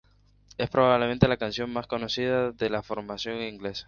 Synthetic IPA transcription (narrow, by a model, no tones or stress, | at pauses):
e̞spɾoβaβlement̪e̞lakansjo̞ŋmasko̞no̞siðaðe̞lafo̞ɾmasjo̞ŋiŋɡle̞sḁ